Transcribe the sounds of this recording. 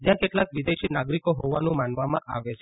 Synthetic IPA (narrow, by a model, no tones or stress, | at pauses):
d͡ʒjãkeʈlakʋid̪eʃinaɡɾikoɦoʋanũmanʋamã̰ʔa̰ʋet͡ʃʰe